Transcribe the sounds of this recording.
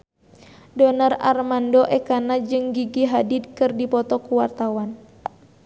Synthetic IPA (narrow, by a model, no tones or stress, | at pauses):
dɔnara̰rmandɔʔɛkanad͡ʒɨŋɡiɡiɦadid̪kɨrdipɔt̪ɔkuwart̪awan